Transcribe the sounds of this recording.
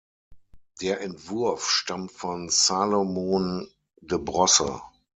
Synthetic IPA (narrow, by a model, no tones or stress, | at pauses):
d̥eːɐʔɛntv̥ʊɐfʃtamtfɔnsaːlomoːn | dəbʁɔsə̰